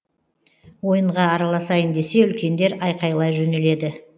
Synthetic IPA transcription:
wo̞jəɴʁɑːɾɑlˠɑsɑjɪnd̪e̞se̞ʏlkʲe̞nd̪e̞ɾɑjqɑjlˠɑjʒɵnele̞d̪ɪ

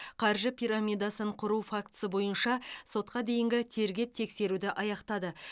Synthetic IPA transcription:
qʰɑɾʒəpʲʰijɾamʲijd̪ɑsəɴqʰʊɾufak̚t̪ə̥səbo̞jənʃɑso̞t̪̚qɑd̪e̞jɪŋɡʲɪt̪ʰe̞ɾɡʲe̞p̚t̪ʰe̞kse̞ɾud̪ɪʔɑjɑqt̪ɑd̪ə

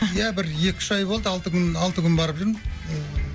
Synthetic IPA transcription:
jæbɪɾje̞kʲɪ̥ʒɑjbo̞lˠd̪əɑlˠt̪əkʲʰʏnɑlˠt̪əkʲʰʏnbɑɾəpʒʏɾm

